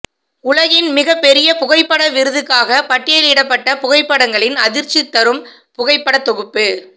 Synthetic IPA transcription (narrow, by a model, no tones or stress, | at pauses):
ʊlɐɣɪnmɪɣɐpːɛɾɪjɐpʊɣɐɪpːɐɽɐʋɪɾɯðɯkːaːɣɐpɐʈːɪjɐlɪɽɐpːɐʈːɐpʊɣɐɪpːɐɽɐŋɡɐɭɪnɐðɪɾt͡ʃːɪt̪ːɐɾɯm | pʊɣɐɪpːɐɽɐt̪ːɔɣɯpːɯ